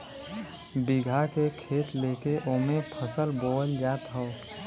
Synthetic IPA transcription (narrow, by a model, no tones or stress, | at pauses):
biɡʱakekʰet̪lekeʔomepʰəsəlboəld͡ʒat̪ɦəʊ